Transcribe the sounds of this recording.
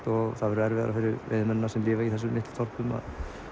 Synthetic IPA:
t̪ɔɣθaðɛɾɛɾvɛːðaɾafɪɾɪɾvɪ̰ðmɛnːasɛmlɪːvaiθɛs̬ːʏmːɪht̪t̪ʰɔɾ̥pʏma̰ð

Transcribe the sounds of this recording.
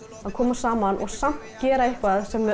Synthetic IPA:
aðkʰɔːmasaːmanʔɔɣsam̥t̪cɛːɾaehkvaðsɛmvɪ

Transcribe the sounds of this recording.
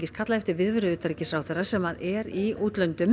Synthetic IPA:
cɪskʰat̪laɛft̪ɪvɪðvʏɾʏðʏːt̪aɾicɪsɾawθɛrːasɛmaðɛɾiuːt̪lœnt̪ʏm

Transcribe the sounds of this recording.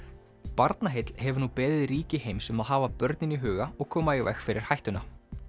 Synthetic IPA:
paɾt̪naɦɪt̪l̥hɛvʏɾnupɛːðɪðɾiːcɪhejmsʏmaðɦaːvapœɾt̪nɪniɦʏːɣaɔɣkʰɔːmaivɛ̰xfɪɾʔɪɾ̥hajht̪ʏna

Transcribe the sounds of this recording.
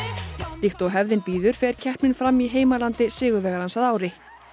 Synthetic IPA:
lixt̪ɔwɦɛvðɪnpiːðʏɾ̥fɛːɾ̥cʰɛhpnɪnfɾamːiɦeːjmalant̪ɪsɪːɣʏɾvɛːɣaɾansaðaːwɾɪ

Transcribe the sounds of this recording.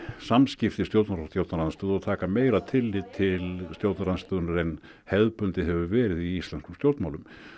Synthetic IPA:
samscɪft̪ɪst̪jowt̪naɾast̪jowt̪naɾanst̪œːðɔt̪ʰaːkameːjɾat̪ʰɪlːɪt̪ʰɪlst̪jowt̪naɾanst̪œːðʏnaɾen | hɛðpʏnt̪ɪɦɛvʏvɛːɾɪðiist̪lɛnskʏmst̪jowɾt̪mawlʏm

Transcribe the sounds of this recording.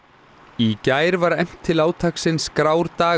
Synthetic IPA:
icaːjɾvaɾɛjm̥t̪ʰːɪlaːwt̪ʰaksɪnskɾaːwɾt̪aː

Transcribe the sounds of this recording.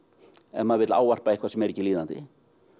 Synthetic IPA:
ɛnmaðvɪt̪laːwvar̥paihkvasɛmɛɾɛcːɪliːðant̪ɪ̰

